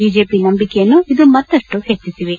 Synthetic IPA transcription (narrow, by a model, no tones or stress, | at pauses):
biːd͡ʒe̞ːpinɐmbikejɐnːuid̪umɐt̪ːɐʂʈuheːt͡ʃːisiʋe